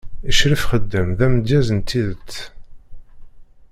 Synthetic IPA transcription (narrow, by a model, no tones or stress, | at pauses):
iʃɾəfχəd̪ːəmðæməd̪jæzənt̪ːiðət͡sː